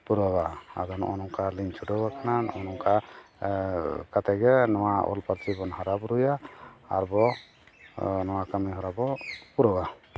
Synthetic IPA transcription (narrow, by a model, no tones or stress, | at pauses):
puɾɔbaa̰d̪ɔnɔ̰nɔŋkʰaliɲt͡ʃʰuɖɔβakʰananɔnɔŋka | kat̪ɛɡɛnɔwaɔ̰lpaɾt̪ʰɾibɔnɦaɾabɾuja̰ːɾbɔ | nɔwakamiɦɔɾabɔpuɾɔba